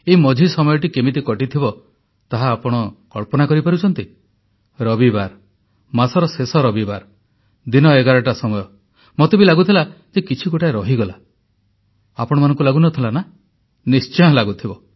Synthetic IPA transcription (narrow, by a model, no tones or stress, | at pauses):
eimɔd͡ʒʱisɔmɔjɔʈikemit̪ikɔʈit̪ʰibɔ | t̪aɦaːpɔɽ̃ɔkɔɭpɔnakɔɾipaɾut͡ʃʰɔnt̪i | ɾɔbibaɾ | masɔɾɔsesɔɾɔbibaɾ | d̪inɔeɡaɾɔʈasɔmɔjɔ | mɔt̪ebilaɡut̪ʰila | d͡ʒekit͡ʃʰiɡoʈʰaeɾɔɦiɡɔla | apɔɽ̃ɔmanɔ̃ŋkulaɡunɔt̪ʰilana | nist͡ʃɔɔ̃laɡut̪ʰibɔ